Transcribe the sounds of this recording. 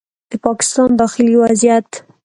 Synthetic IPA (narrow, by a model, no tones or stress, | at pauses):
d̪̥əpɑkɪ̥st̪ɑnd̪ɑxɪliwazjat̪